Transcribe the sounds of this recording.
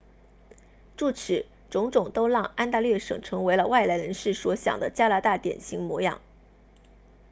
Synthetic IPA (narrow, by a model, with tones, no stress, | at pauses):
ʈ͡ʂu˥˩ʈ͡ʂʰɻ̩˨˩˦ | ʈ͡ʂʊ˧˥ŋʈ͡ʂʊ˨˩ŋt̪o˥ʊlɑ˥˩ŋa˥nt̪a˥˧lɥɛ˥˩ʂɤ̰˨˩ŋʈ͡ʂʰɤ˧˥ŋwe˧˥ɪlə˧wa˥˩ɪla˧˥ɪɻə˧˥nʂɻ̩˥˩swɔ˧˥ɕjɑ̰˨˩ŋd̪ə˦t͡ɕja˥la˧˥t̪a˥˩t̪jɛ̰˨˩nɕi˧˥ŋmwɔ˧˥jɑ̰˨˩˦ŋ